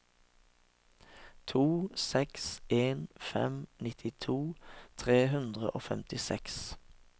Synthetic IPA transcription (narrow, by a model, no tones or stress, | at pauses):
t̪ʰuːsɛksʔeːnfɛ̰mnɪt̪ʰɪt̪ʰuːt̪ʰʁeːhʉnd̪ʁə̰ʔoːfɛmt̪ɪsɛks